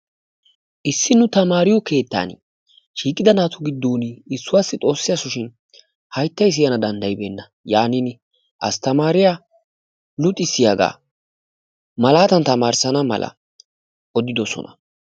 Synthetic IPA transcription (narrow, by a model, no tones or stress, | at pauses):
ʔɪsːɪnʊt̪ɐmaːɾɪjɔke̞ːt̪ːa̰ːn | ʃiːkʼːɪd̪ɐnaːt̪ʰʊɡɪd̪ːuːnɪsːʊwaːsːɪt̪ʼo̞ːsːɪjɐsʊʃɪn | hɐjt̪ːɐjs̬ɪjɐnɐd̪ɐnd̪ɐjɪbeːnːɐ | jaːnin | ʔɐst̪ɐmaːɾɪjaː | lʊt̪ʼːɪsːɪjaɡa̰ː | mɐlaːt̪ɐnt̪ɐmaːɾsɐnɐmɐ̰lʔɐ̰ | ʔɔd̪ɪd̪ɔsɔ̰nɐ̰